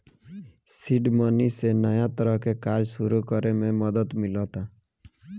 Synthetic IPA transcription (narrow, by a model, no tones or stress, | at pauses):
siɖmɔnisenəjat̪əɾəɦkekaɾd͡ʒsuɾukəɾemẽmʌd̪ət̪mɪlɔt̪a